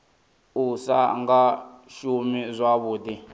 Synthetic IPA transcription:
usa̰ŋɡaʃumizʷaβuːdi

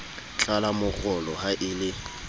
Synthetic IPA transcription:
t͡ɬʼalamʊk͡xʰʊlɔhaʔɪlɪ

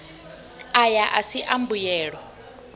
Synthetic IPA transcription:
ajaʔasiʔambujɛːɺɔ

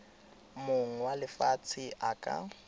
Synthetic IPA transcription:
moŋ̩walɪfat͡sʰɪʔakʼa̰

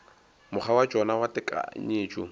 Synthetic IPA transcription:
mʊχʰawad͡ʒɔnawatɪkʼa̰ɲeːt͡ʃʼṵ

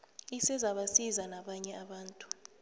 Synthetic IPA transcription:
isɛzaɓasizanaɓaɲɛaɓaːntʼu̥

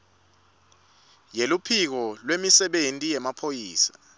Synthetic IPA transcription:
jelupʰik̬ɔlwemisɛɓentʼijɛmapʰojiːsḁ

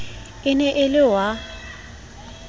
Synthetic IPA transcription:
ɪnɛʔɪlɪwa

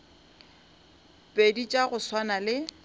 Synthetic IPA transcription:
pʼedit͡ʃʼaɣʊswanalɪ

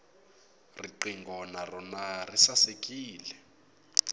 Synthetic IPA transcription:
riǃiŋɡʱɔnarɔnarisasekʼiːlɛ

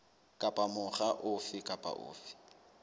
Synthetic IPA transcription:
kʼapʼamʊχaʔʊfɪkʼapʼa̰ʔʊ̰ːfɪ̥

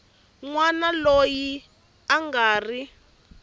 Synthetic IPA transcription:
ŋwanaloji | aŋɡaːri

